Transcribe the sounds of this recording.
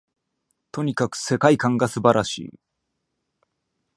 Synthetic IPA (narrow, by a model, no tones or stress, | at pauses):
t̪o̞ɲ̟ikakɯ̟̥se̞kaikãŋɡasɨbaɾʔaɕḭː